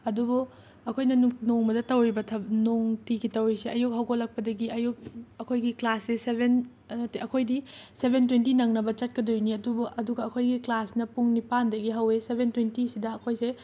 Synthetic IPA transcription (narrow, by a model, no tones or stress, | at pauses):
ɐdubu | ɐkʰojnɐnnoŋmɐdɐtɐwɾibɐtʰɐnoŋtikitɐwɾisiʔɐjuk̚hɐwɡolːɐk̚pɐdɐɡiɐjuk̚ɐkʰojɡiklaseseben | ɐtiɐkʰojdisebʱentwentinɐŋnɐbɐt͡ʃɐt̚kɐdojuniɐdubuʔɐduɡɐːkʰojɡiklasnɐpuŋnipandɐɡiɦɐwesebʱentwentisidɐːkʰojse